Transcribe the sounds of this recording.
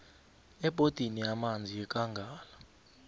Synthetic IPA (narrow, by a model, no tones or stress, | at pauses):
ɛb̥ʱod̥ʱinijamand͡zʱiɛkʼaŋɡʱaːla